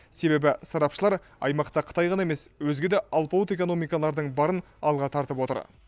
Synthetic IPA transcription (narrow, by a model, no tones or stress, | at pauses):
se̞be̞bɪsɑɾɑpʃəlˠɑɾ | ɑ̰jmɑqt̪ɑqʰə̥t̪ɑjʁɑnɑe̞me̞swɵzɡʲe̞d̪eʔɑlˠpowt̪e̞ko̞no̞mijkɑlˠɑɾd̪əɴbɑɾən | ɑlˠʁɑt̪ʰɑɾt̪əpwo̞t̪ə̰ɾ